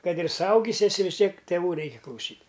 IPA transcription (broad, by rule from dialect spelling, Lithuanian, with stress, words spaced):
ˈkɐt ɪr sʊˈɐʊɡʲɪs ɛˈsʲɪ ʋʲɪs ˈtʲiɛk tʲeːˈʋuː ˈrʲɛɪkʲɪ klˠɐʊˈsʲiːtʲ